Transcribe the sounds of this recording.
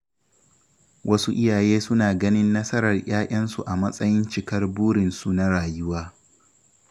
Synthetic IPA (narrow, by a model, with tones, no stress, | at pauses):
wʔɐ˦su˦ʔɪ˦jaː˨jeː˦sʊ˦naː˨ɡɐ˦nɪ˦nːɐ˦sɐ˦ɾɐ˨rj̰aː˦ʔʲʼɐ˦nsu˨ʔa˨mɐ˦sʼɐ˦jɪ˦nt͡ʃɪ˨kɐ˦rbuː˦ɽɪ˨nsu˦na˦ɽaː˨jʊ˦waː˦